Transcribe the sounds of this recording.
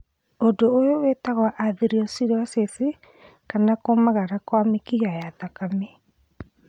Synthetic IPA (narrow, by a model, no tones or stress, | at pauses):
odoːjowetaɣwaʔaðiɾiɔsiɾasesi | kanakomaɣaɾakwamekiɣajatakame